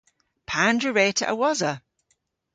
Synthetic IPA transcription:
pʰãndɹəɹeːtʰə̰ʔə̰wɔzə

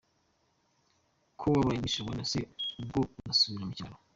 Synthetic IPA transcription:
kʰoβaβaiɲiʃiɡanaseubɡounasuβiɾamucaɾo

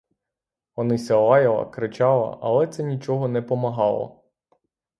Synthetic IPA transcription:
ɔnɪsʲɐlˠɑjɐlˠɐ̰kɾɪt͡ʃɑlˠɐ̰ʔɐ̰lˠɛt̪sɛnʲit͡ʃɔɦɔnɛpɔmɐɦɑlˠɔ̰

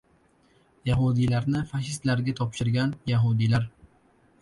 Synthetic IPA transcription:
jaɦud̪ilaɾnɪfaʃɪst̪laɾɡʲat̪ʰɒpʃɪɾɡʲanjaɦud̪ilaɾ

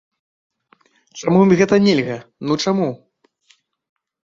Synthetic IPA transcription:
t͡ʂamumʲɣɛt̪ɐnʲelʲɣɐnut͡ʂamu

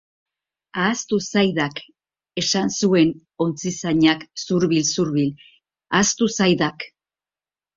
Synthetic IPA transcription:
aːst̪usajðak | e̞sansue̞n | o̞nt͡sisaɲaksuɾβilsuɾβil | ast̪usajðak

